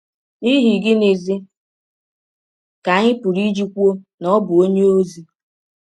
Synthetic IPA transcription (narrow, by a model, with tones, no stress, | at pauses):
i˦ɦi˨ɡɪ˦ne˨zi˦ | ka˨ɲɪ˦pʊ˨ɾi˦d͡ʒi˦kʷu˦o˦ | nɔ˦bʊ˨o˦ɲe˦o˦zi˨